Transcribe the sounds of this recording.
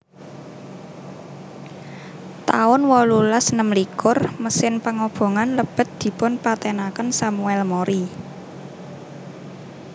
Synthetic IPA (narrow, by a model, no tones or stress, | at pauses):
t̪aʊnwɔlulasnəmlikʊrməsɪnpaŋob̥o̤ŋanləb̥ə̤t̪̚d̪̥i̤pʊnpat̪ɛnakənsamuɛlmoɾʔi